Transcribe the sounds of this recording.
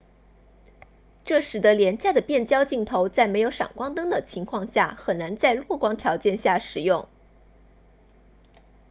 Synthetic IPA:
ʈ͡ʂɤ˥˩ʂɻ̩˨˩d̪ə˧˦ljɛ˧˥nt͡ɕja˥˩d̪ə˩pjɛ˥˩nt͡ɕjɑ˥ʊt͡ɕi˥˩ŋt̪ʰo˧˥ʊt͡sa˥˩ɪme˧˥ɪjo˧˥ʊʂɑ̰˨˩ŋkwɑ˥ŋt̪ɤ˥ŋd̪ə˨t͡ɕʰi˧˥ŋkʰwɑ˥˧ŋɕja˥˩xə˨˩nna˧˥nt͡sa˥˧ɪlwɔ˥˩kwɑ˥ŋt̪ʰjɑ˧˥ʊt͡ɕjɛ˥˧nɕja˥˩ʂɻ̩˨˩jʊ˥˩ŋ

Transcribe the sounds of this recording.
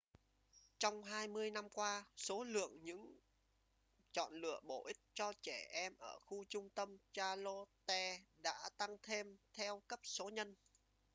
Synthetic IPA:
t͡ɕɔ˧wŋ͡mɦaː˧jmɨ˧əjna˧mkwaː˧so˨˦lɨ̰˧˨əŋɲɨ̰˧˥ŋ | t͡ɕɔ̰˧˨nlɨ̰˧˨əɓo˧˩ʔï˦˥k̟̚t͡ɕɔ˧t͡ɕɛ˧˩ʔɛ˧mʔəː˧˩xu˧t͡ɕʊ˧ŋ͡mt̪ə˧mt͡ɕaː˧lo˧t̪ɛ˧ɗa̰ː˧˥t̪a˧ŋt̪ʰe˧mt̪ʰɛ˧wkə˦˥p̚so˨˦ɲə˧n

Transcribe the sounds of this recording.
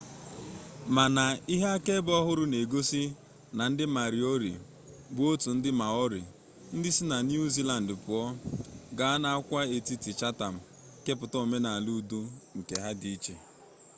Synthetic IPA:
ma˨na˨i˦ɦa˦a˦ke˦bɔ˦ɦʊ˦ɾʊ˦ne˨ɡo˦si˦ | na˨n̩˦dɪ˦ma˨ɾi˨o˦ɾḭ˨ | bʊ˦o˦tu˨n̩˦dɪ˦ma˨ɔ˦ɾḭ˨ | n̩˦dɪ˦si˦na˨nju˦zi˦la˨n̩˨dpʊ˨ɔ˦ɡa˨a˦na˨a˦kʷa˦e˨ti˦ti˨t͡ʃa˦ta˨m̩˨ | ke˦p̬ʊ˨tɔ˦o˨me˦na˨lu˦˨du˦ŋ̩˨ke˨ɦa˦di˨i˦t͡ʃe˨

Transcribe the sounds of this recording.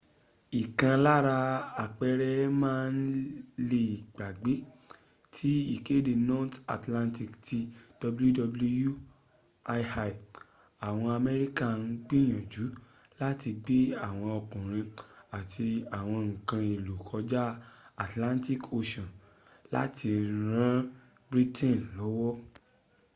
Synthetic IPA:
i˨kã˧la˦ɾa˧a˨k͡pɛ˧ɾɛ˦mãː˦n̩˦le˧i˨ɡ͡ba˨ɡ͡be˨˦ | tʰi˦i˦˨ke˦de˨nɔ˦ta̰˨tlã˧nti˦˨kti˧d̥ɔ˧bu˦u˦dɔ˧blu˧ju˦ | a˧ha˧˨ | a˨w̃ɔ̃˧a˧mɛ˧ɾi˦ka˦˨n̩˦˧ɡ͡bi˦j̃ɔ̃˨d͡ʒu˨˦ | la˦ti˧ɡ͡be˦a˦˨w̃ɔ̃˧ɔ˧kɔ̃˨ɾ̃ĩ˧a˨tʰi˧a˨w̃ɔ̃˧ŋ̩˨kã˧e˨lu˨kʰɔ˧d͡ʒa˦a˨tlã˦nti˦˨ko˧ʃɔ̃˨n | la̰˦ti˧ɾã˦ | bɾi˦tʰɛ̃˦˨nlɔ˨˦wɔ˦

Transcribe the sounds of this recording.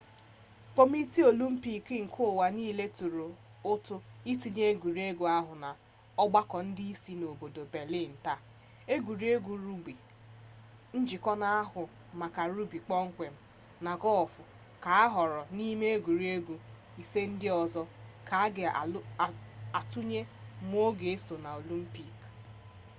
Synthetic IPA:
k͡po˦m˦i˦ti˦o˨lu˦m̩˦pi˦˨kɪ˦ŋ̩˨kʰʊ˦˨wa˨niː˦le˦tu˨ɾu˨ | ʊ˦tʊ˦i˦ti˨ɲe˦e˦ɡʷu˨ɾi˦e˦ɡu˨a˦ɦʊ˨na˨ | ɔ˦ɡ͡ba˦kɔ˨n̩˦dɪ˦i˦si˦no˨bo˨do˨be˨li˦˨n̩˨ta˦ | e˦ɡʷu˨ɾi˦e˦ɡu˨ɾu˦ɡ͡bi˨ | n̩˦d͡ʒɪ˨kɔ˦na˦a˦ɦʊ˨ | ma˨ka˨ɾu˦bi˨k͡pɔ˦ŋ̩˦kʷe˨m̩˦ | na˨ɡɔ˦ɔ˨fʊ˨ | ka˨a˦ɦɔ˨ɾɔ˨ni˦me˦e˦ɡʷu˨ɾi˦e˦ɡu˨ | i˨se˦n̩˦dɪ˦ɔ˨zɔ˦ka˨a˦ɡɪ˨˦˨a˨tu˦ɲe˦m˦o˦ɡe˨e˦so˨na˨o˨lu˦m̩˦pi˦k

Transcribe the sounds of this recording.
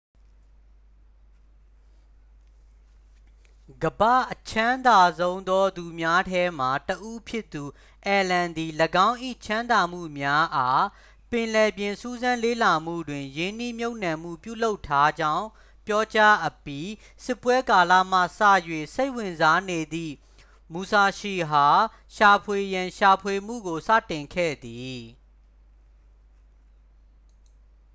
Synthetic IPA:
ɡəbä̰˦˨ʔət͡ɕʰã˦nd̪a˨zõ˦ʊ̃nd̪ɔ˦d̪u˨mja˦tʰɛ˦m̥a˨təʔu˦pʰjɪ˦t̪ːu˨ | ʔɛ˨lã˨nd̪i˨ləɡã˦ʊ̃ʔḭ˦˨t͡ɕʰã˦nd̪a˨m̥ṵ˦˨mja˦ʔa˦ | pɪ̃˨lɛ˨bjɪ̃˨su˦zã˦lḛ˦˨la˨m̥ṵ˦˨dwɪ̃˨jɪ̃˦ni˦mjo˦ʊʔnã˨m̥ṵ˦˨pjṵ˦˨lo˦ʊtʰːa˦d͡ʑã˦ʊ̃ | pjɔ˦t͡ɕa˦ʔəpji˦ | sɪ˦pwɛ˦ka˨la̰˦˨m̥ä̰˦˨sä̰˦˨jwḛ˦˨se˦ɪʔwɪ̃˨nza˦ne˨d̪ḭ˦˨ | mu˨sa˨ʃe˨ɦa˨ | ʃa˨pʰwe˨jã˨ʃa˨pʰwe˨m̥ṵ˦˨ɡo˨sä̰˦˨tɪ̃˨ŋkʰɛ̰˦˨d̪i˨

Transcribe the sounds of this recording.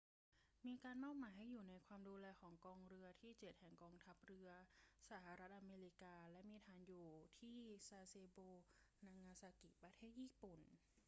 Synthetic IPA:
miː˧kaː˧nmɔː˥˩k̚maː˩˦jɦa˥˩jːuː˨˩na˧jkʰwaː˧mduː˧lɛː˧kʰɔː˩˦ŋkɔː˧ŋɾɯ˧ɐt̪ʰiː˥˩t͡ɕe˨˩t̪̚hɛ˨˩ŋkɔː˧ŋt̪ʰa˦˥p̚ɾɯ˧ɐsa˧˩˦ha˨˧ɾa˦˥t̪̚ʔa˧meː˧li˦˥kaː˧lɛ˦˥ʔmiː˧t̪ʰaː˧njuː˨˩t̪ʰiː˥˩saː˧seː˧boː˧na˧ŋːaː˧saː˧ki˨˩pɾa˧t̪ʰeː˥˩t̪̚jiː˥˩pu˨˩n

